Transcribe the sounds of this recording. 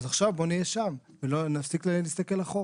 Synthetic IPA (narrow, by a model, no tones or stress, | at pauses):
zaχʃavbo̞nijeʃam | velonafsiklenist̪ake̞laχo̞